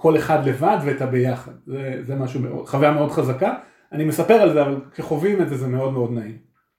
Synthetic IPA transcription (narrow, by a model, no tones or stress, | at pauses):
kʰo̞le̞χadle̞vadveːtabe̞jaχad̚zezemaʃumeo̰χavajame̞o̞dχazaka | anime̞sape̞ʁalzeavalkeχo̞vimezezemeo̞dmeo̞d̪naim